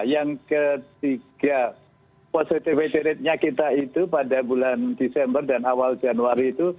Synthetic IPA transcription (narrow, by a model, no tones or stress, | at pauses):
jaŋkət̪iɡ̥a | posit̪ifet̪eɾɪt̪̚ɲakit̪ait̪upadabulandesɛmbərdanawald͡ʒanuaɾiːt̪u